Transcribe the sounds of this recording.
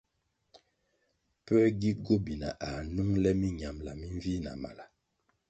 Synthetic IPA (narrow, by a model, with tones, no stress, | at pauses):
pɛ˦ɡi˦ɡo˦bi˨na˨ʔa˨nu˦ŋlɛ˦mi˦ɲa˨mla˨mi˦ɱvi˦na̰˨ma̰˨la˨